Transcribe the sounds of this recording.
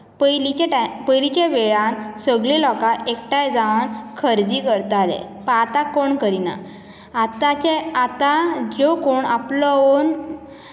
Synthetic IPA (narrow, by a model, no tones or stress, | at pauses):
pəlit͡ɕeʈapəjlit͡ɕẽʋeɭãnsəɡɭilɔkaekʈajd͡zaʋankʰəɾd͡ʑikəɾt̪alḛ | pat̪akoɳkəɾina̰ː | t̪at͡ɕeat̪ad͡ʑokoɳaplɔon